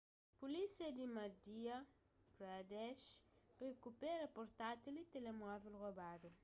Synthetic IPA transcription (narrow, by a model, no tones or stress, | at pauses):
pulisiɐd̪imad̪iɐ | pɾad̪ɛʃrekupɛɾɐpoɾt̪at̪ilit̪elemavelɣobadu